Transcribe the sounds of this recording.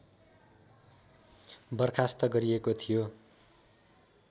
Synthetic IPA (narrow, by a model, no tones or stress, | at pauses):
bʌrkʰast̪ʌɡʌɾiekot̪ʰijo